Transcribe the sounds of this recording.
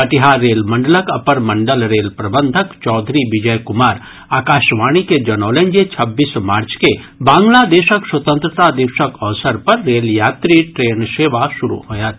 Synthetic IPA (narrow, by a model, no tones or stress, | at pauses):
pɐʈɪɦaːɾːeːlmɐ̃ɳɖələkɐpəɾmɐ̃ɳɖəlɾeːlpɾɐbə̃nd̪ʱəkt͡ʃɔːd̪ʱɾiʋɪd͡ʒəjkʊmaːɾ | aːkaːʃʋaːɽ̃iked͡ʒɐnɔːlẽɲd͡ʒet͡ʃʰɐbːiːsmaːɾt͡ʃke | bãːŋɡlad̪eːʃəkswɐt̪ə̃nt̪ɾət̪ad̪ɪʋʃəkɔʋsəɾpɐɾːeːljaːt̪ɾiʈɾeːnseːʋaʃʊɾṵɦoːjat̪